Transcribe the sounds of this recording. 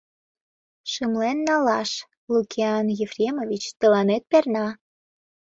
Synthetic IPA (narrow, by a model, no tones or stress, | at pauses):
ʃəmlenːɑlɑʃ | lukʰʲiɑnjefrʲemovit͡ɕt̪əlɑnet̪̚pernɑ